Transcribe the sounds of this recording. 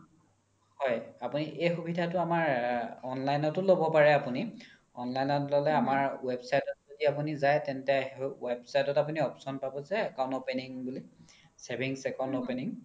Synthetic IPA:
hɔjapuniʔejxubʱidʱatʊamaɹɔnlajnɔtʊlobɔpaɹɛapuni | ɔnlajnɔtlɔlɛamaɹwebsajtɔtzodiapunizajtɛntɛwebsajtɔtap̬uniɔpsɔnpabɔzɛːkaw̃ntopeniŋbuli | sebʱiŋsɛkaw̃ntopeniŋ

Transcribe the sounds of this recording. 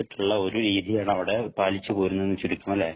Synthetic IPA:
iʈːuɭːɐo̞ɾuɾiːðijaːɳɨɐʋiɽe̞paːlit͡ɕːɨpoːɾunːɐenːɨt͡ɕuɾikʲːumɐlːe̞ː

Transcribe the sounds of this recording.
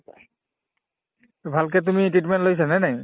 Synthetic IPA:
bʱalk̬ɛt̬umitɹit̬mɛ̃ntlojsɛnɛnɛj

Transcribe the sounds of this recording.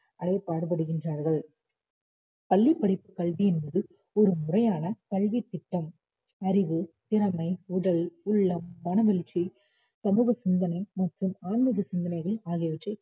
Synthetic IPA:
ʔɐɽɐɪpːaːɽɯpɐɽɯɣɪndraːɾɣɐɭ | pɐɭːipːɐɽɪpːɯkɐɭʋijɪnbɐðɯ | ɔɾɯmʊrɐjaːnɐkɐɭʋit̪ːɪʈːɐm | ɐɾɪʋɯt̪ɪɾɐmɐɪʊɽɐlʊɭːɐmːɐnɐʋɪɭt͡ʃi | sɐmuːɣɐsɪnd̪ɐnɐɪmɐʈrɯmaːnmɯɣɐsɪnd̪ɐnɐɪɣɐɭaːɣɪjɐʋɪʈrɐ

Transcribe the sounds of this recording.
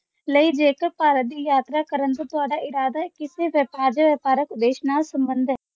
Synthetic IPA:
ləiːd͡ʒeːkəɾpaːɾət̪̚d̪iːjaːt̪ɾaːkəɾənt̪õːt̪ʊaːɖaːʔɪɾaːd̪aɦɛkɪseʋəpaːd͡ʒəʋəpaːɾəkd̪eːʃnaːlsəmbənd̪ɦɛː

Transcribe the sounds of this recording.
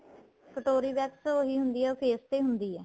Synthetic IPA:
kəʈoːɾiːbɛːksoːɦiːɦʊnd̪iːɛːoːpʰeːst̪eːɦʊnd̪iːɦɛː

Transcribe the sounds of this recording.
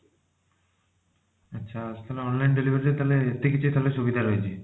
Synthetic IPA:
atːɕʰaast̪ʰaleɔnlajnɖelibʱaɾit̪et̪aleet̪ikit͡ɕʰut̪ʰaleʃʰobid̪ʱaɾɔjet͡ɕʰi

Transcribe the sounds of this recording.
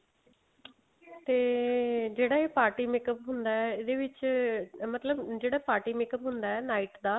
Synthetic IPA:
t̪eːd͡ʒeːɽaːeːpaːɾʈiːmɪkəpɦʊnd̪aːɛːeːd̪eːʋɪt͡ʃ | mət̪ləbd͡ʒeːɽaːpaːɾʈiːmɪkəpɦʊnd̪aːɛːnaːiːʈd̪aː

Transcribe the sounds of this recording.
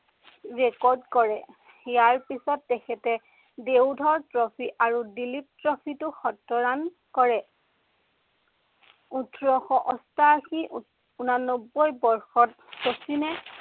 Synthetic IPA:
ɹɛkɔɹdkɔɹɛ | jaɹpisɔtːɛkʰɛtɛ | dewdʱɔɹtɹɔpʰiʔaɹudilip̚tɹɔpʰitʊxɔtːɔɹan | kɔɹɛ | utɹɔxɔʔɔstaːxi | unanɔbːɔjbɔɹxɔt̚ | sosinɛ

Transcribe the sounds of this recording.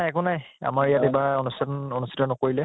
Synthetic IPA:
najɛkɔnaja̰maɹijatebaonustonustʰi̥tɔnɔkoɹilɛ

